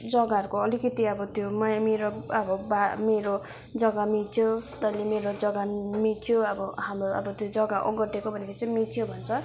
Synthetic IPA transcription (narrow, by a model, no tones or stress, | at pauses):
d͡zʌɡaʌɾukoʌlikʌt̪iʌbʌt̪jomʌjameɾoʌbʌbameɾod͡zʌɡamit͡sʰjot̪ʌilemeɾod͡zʌɡamit͡sʰijoʌbʌɦamɾoʌ̰bʌt̪jod͡zʌɡaʔɔ̰ɡʌrt̪ekobʱʌnekʰit͡sʌj̃mit͡sʰijobʱʌnt͡sʰʌ